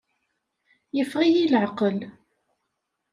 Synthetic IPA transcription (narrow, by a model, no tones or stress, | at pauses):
jəfʁijilʕɑqəl